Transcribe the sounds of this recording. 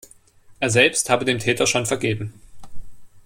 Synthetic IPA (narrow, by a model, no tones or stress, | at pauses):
ʔeːɐzɛlpsthaːbədeːmtʰɛːtɐʃoːnfɛɐɡeːbm̩